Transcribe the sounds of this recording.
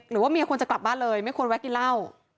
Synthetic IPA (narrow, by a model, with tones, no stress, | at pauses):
ɾɯː˩˦waː˥˩mi˧kʰnt͡ɕa˨˩kla˨˩p̚baː˥˩nlɤː˧jma˥˩jkʰu˧nwɛ˦˥ki˧la˥˩w